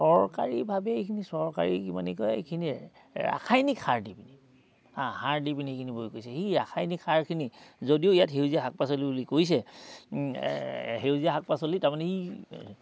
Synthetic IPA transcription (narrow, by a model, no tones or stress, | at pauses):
sɔɹka̰ɹibʱabɛekʰinisɔɹka̰ɹḭkima̰nikɔjḛkʰini | ɹa̰kʰajnikhaɹdipini | hãhaɹdipiniekʰinibojkojsɛxiɹa̰kʰajnikʰaɹkʰinizodioijatɦeuziaɦak̚pasolibulikojs̬ɛ | ɦeuziaɦak̚pasolitaɹmanɛi